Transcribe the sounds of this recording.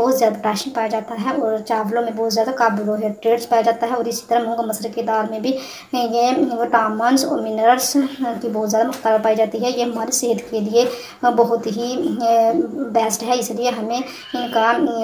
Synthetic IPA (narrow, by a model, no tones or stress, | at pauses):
bɔːt̪zjaːd̪aʈaːʃənpaːjad͡ʒaːt̪aɦɛɔːɾt͡ʃaːʋlõmẽbɔːʊt̪zjaːd̪akaːblõɦɛʈɾeːɖspaːjad͡ʒaːt̪aɦɛɔːɾɪsi̥t̪ɐɾɐɦmʊ̃ũɡmɐslekeɪd̪aːɾmẽbʱi | jeoʈaːmənsɔ̰ːɾmɪnəəɾskibɔːt̪zjaːd̪amʊxt̪əɾaɾpaːid͡ʒaːt̪iɦɛjeɦɐmaːɾeseɦət̪kelie | bɐɦʊt̪ɦi | bɛːsʈɦɛɪslieɦɐmẽ | ɪnka